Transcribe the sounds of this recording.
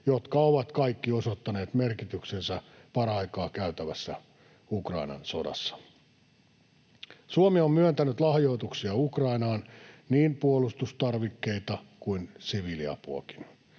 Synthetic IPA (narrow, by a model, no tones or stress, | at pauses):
jot̪kɑoʋɑt̪kɑikːiosot̪ːɑneːt̪merkit̪yksensæpɑrɑikɑːkæyt̪æʋæsːæ | ukrɑ̰inɑ̰nso̞̰dɑ̰sːɑ̥ | suomiommyønt̪ænyt̪lɑhjo̞it̪uksiɑukrɑinɑːnniːnpuolust̪ust̪ɑrʋikːe̞it̪ɑkuinsiʋiliɑ̰puo̰ki̥n